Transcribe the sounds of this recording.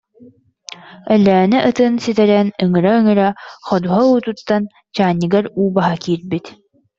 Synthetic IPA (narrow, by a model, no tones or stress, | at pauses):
œlːæːnɛʔɯt̪ɯnsit̪ɛɾɛnɯŋɯɾaɯŋɯɾaχɔd̪uɦauːt̪ut̪ːan | t͡ɕaːnːiɡɛɾuːbaɦakiːɾbit̪